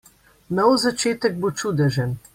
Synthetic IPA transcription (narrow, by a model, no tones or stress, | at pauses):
nɔwzat͡ʃeːt̪ɛɡ̚bot͡ʃuːd̪ɛʒɛn